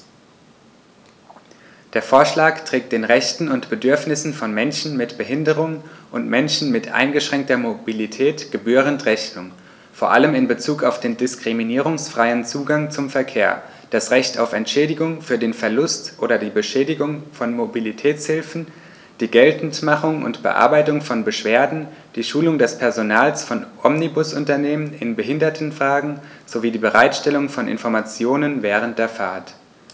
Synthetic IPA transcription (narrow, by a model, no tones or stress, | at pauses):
d̥eːɐfoːɐʃlaːktʁ̥ɛːk̚t̚d̥eːnʁɛçtn̩ʊntb̥ədʏɐfnɪsn̩fɔnmɛnʃn̩mɪtb̥əɦɪndəʁʊŋənʔʊntmɛnʃn̩mɪtʔa̰ɪnɡəʃʁ̥ɛŋk̚tɐmobilitʰɛːtɡ̥əbyːʁ̞əntʁɛçnʊŋ | foːɐʔa̰ləmɪnbət͡suːkaʊfd̥eːndɪskʁ̥iminiːʁ̞ʊŋsfʁ̥aɪənt͡suːɡaŋt͡sʊmfɛɐkʰeːɐ | d̥asʁɛçta̰ʊfɛntʃɛːdɪɡʊŋfyːɐdeːnfɛɐlʊstʔoːɾɐdiːbəʃɛːdɪɡʊŋfɔnmobilitʰɛːt͡shɪlfn̩ | d̥iːɡɛltn̩tmaχʊŋʊ̰ntb̥ə̰ʔa̰ɐbaɪtʊŋfɔnbəʃv̥eːɐdn̩d̥iːʃuːlʊŋdɛspʰɛɐzonaːlsfɔnʔɔmnibʊsʔʊntɐneːmənɪnbəɦɪndɐtʰn̩fʁ̥aːɡŋ̩z̥oviːdiːbəʁaɪtʃtɛlʊŋfɔnʔɪ̰nfɔɐmat͡sjoːnənvɛːʁ̞ənt̚d̥eːɐfaɐt